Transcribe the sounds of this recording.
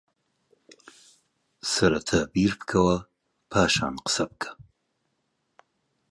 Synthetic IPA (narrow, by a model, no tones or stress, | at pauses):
sɐɾat̪ʰabiɾpkʰɐwa | pʰɑːʃɑ̰ːnqə̥sab̚kʰḁ